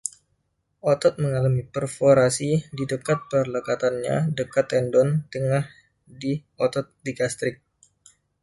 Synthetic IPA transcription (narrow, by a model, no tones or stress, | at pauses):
ʔɔt̪ɔt̪̚məŋalamipərfoɾasididəkat̪̚pərləkat̪anɲa̰dəkat̪ɛndɔnt̪əŋah | di | ɔt̪ɔt̪̚diɡast̪ɾɪk̚